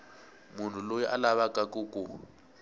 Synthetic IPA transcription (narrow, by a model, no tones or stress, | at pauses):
mun̤ulojiʔalaβakʼakʼukʼu